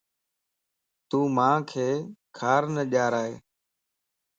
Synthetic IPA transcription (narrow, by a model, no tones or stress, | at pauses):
t̪uːmãːkʰeːkʰaːɾnəʄaːɾaːḛː